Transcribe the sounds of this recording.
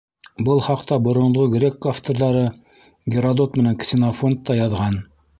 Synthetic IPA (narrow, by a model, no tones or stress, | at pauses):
bɤlˠχɑqt̪ɑbŏɾŏɴˠʁoɡrʲekːaft̪oɾðɑɾɤ | ɡʲɪɾɐd̪ot̪mɘ̆næŋksʲɪnafo̞nt̪ːɑjɑðʁɑn